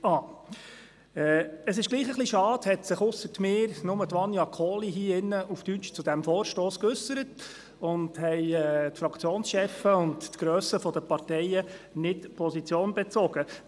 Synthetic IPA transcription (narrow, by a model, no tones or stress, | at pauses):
ɑː | ɛːəsɪʃɡliːχəχliʃɑːd̥hɛtsɪχʊsətmɪːɾnʊmət̪ʋɑnjɑkʰɔːliɦiːɪnːəʔufd̥yt͡ʃt͡sud̥̪æmfoːɾʃtoːskʏsəɾət | ʊndhɛɪɛːtfɾɑkʰt͡sjoːnsʃɛfəʊntːɡ̥ɾøːsəfɔd̥əpɑɾtɛɪənɪtpʰɔsit͡sjoːnbɛt͡sɔɡ̥ə